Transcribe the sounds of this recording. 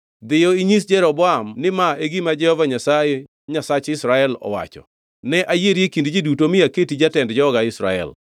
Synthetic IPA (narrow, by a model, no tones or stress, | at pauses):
d̪ɪjɔiɲis̬d͡ʒɛɾɔbɔamnɪmaeɡimad͡ʒɛhɔvaɲasaje | ɲasat͡ʃɪsɾaɛlɔ̰wa̰t͡ʃɔ̰ | nɛʔajeɾjekindd͡ʒidutomɪaketid͡ʒatɛndd͡ʒɔːɡaɪsɾa̰ɛ̰l